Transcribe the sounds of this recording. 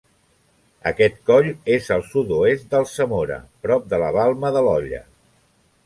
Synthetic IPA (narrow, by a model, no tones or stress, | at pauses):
ə̰kɛt̪̚kɔʎezəlˠsut̪uest̪̚d̪əlˠsəmoɾə̰pɾɔp̚d̪ələβalˠməðəlɔʎə̰